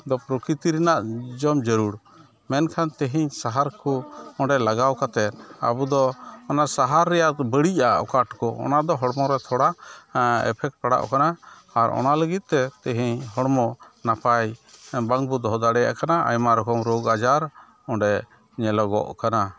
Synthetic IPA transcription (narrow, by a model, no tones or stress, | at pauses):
d̪ɔpɾɔkɾit̪iɾɛnaʔd͡ʒɔmd͡ʒəɾuɾ | mɛnkʰant̪ɛɦiɲsaɦaɾkuɔɳɖɛlaɡawkat̪ɛt̪̚a̰bud̪ɔːnasaɦaɾːɛjaʔbəɽicaʔɔ̰kaʈkɔʔɔ̰nad̪ɔɦɔɽmɔɾɛt̪ʰɔɽa | ɛ̰pʰɛk̚ʈ̚paɽa̰ʔkanaː | ɾʔɔ̰naləɡit̪̚ˀt̪ɛt̪ɛɦiɲɦɔɽmɔnapajbaŋbud̪ɔɦɔd̪aɽɛja̰ʔkanaa̰jmaɾɔkɔmɾoɡad͡ʒaɾ | ɔɳɖɛ | ɲɛlɔɡɔ̰ʔkana